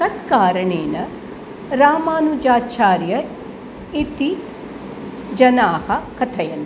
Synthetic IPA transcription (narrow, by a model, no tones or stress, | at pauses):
sɐt̪kaːɾɐɳeːnɐ | ɾaːmaːnud͡ʒaːt͡ʃʰaːɾjɐ | it̪i | d͡ʒɐnaːhɐkʰɐt̪ʰɐjɐn